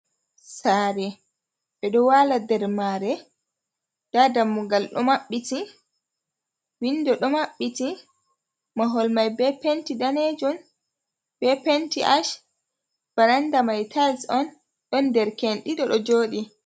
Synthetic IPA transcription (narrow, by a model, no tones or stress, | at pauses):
saːɾɛ | ɓɛɗɔwaladɛɾmaɾɛ | d̥adamːuɡalɗɔ̰maɓːiti | windɔɗɔmaɓːiti | maɦɔlmajbɛpentidaned͡ʒɔn | bɛpentiʔaʃ | b̥aɾandamajtʰalsɔn | ɗɔndɛɾkenɗiɗɔɗɔd͡ʒoːɗi